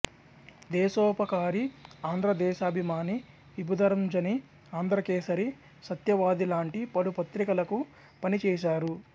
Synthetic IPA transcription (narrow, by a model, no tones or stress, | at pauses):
d̪ɛːsɔːpɐkaːɾiaːnd̪ɾɐd̪ɛːʃaːbʱimaːni | ʋibud̪ɐɾɐmd͡ʒɐni | aːnd̪ɾɐkeːsɐɾi | sɐt̪jɐʋaːd̪ilaːɳʈipɐlupɐt̪ɾikɐlɐku | pɐnit͡ʃɛːʃaːɾu